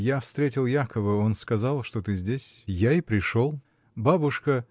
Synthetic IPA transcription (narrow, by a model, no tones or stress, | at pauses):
jafst̪ɾʲetʲɪlˠjakəvəo̞nskɐzɑlˠʂt̪ot̪ɨzʲdʲesʲjaɪpɾʲɪʂo̞lˠ | babʊʂkə